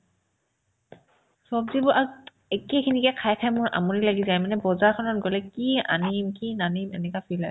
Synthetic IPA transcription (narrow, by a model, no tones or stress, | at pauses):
sɔbzibɔʔa | ekekʰinikɛkʰajkʰajmʊjʔa̰munilaɡizajmanɛbɔzaɹkʰɔnɔt̚ɡɔlɛkia̰nimkinanimɛ̰nɛkafʰilaj